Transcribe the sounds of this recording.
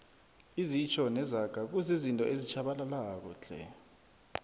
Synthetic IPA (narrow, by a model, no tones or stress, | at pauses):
izit͡ʃʰɔnɛzaɡ̥ʱak̬uzizintʼɔʔezit͡ʃʰaɓalalaːk̬ɔd͡ɮʱɛ̰